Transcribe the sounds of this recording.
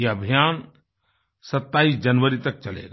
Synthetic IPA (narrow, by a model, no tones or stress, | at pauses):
eəbʱijaːn | sɐt̪ːaːisd͡ʒɐnʋəɾit̪ɐk̚t͡ʃɐlḛɾ